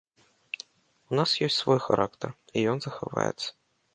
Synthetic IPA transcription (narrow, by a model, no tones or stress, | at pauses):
unasjɔsʲtʲsvɔjxa̰ɾʔakt̪ərijɔnzɐxa̰va̰jɛ̰t̪sːɐ̥